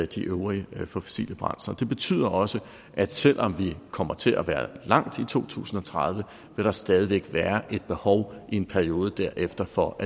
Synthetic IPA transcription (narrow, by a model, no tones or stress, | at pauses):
d̥iʔøʊʁifɔsḭːljəb̥ʁɑ̈n̰sɐd̥e̝b̥e̝t͡sʰy̰ːð̰ˠɐʔɒ̽sə | ʔæd̥sel̰ʔɒ̽mʋikʰɒ̽m̰ɐt͡sʰe̝lʔæʋæːɐlɑ̈ŋ̰d̥it͡sʰo̝̰ːt͡sʰṵːsn̩ɒ̽t͡sʰʁɑð̞ˠʋə | ʋe̝ɾ̥ɑ̈sd̥ɛːð̞ˠiʋeɡ̥ʋæːɐʔe̝d̥̚b̥e̝hɒʊʔie̝npʰæɐio̝ːð̞ˠəd̥æɐ̰ʔefd̥ɐfɒ̽ʔæ